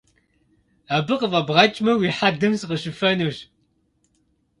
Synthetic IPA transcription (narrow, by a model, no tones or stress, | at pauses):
aːbɨqəvɐbʁɑt͡ʃʼmɐwiħad̪ɐmsɨqəʃɨfɐnuɕ